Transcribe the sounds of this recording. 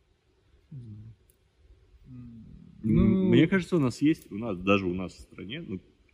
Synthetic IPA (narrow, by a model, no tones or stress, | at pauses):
umnʲe̞kaʐɨt̪səʊnasjesʲtʲʊnasd̪aʐɨʊnasfst̪ɾɐ̰nʲenu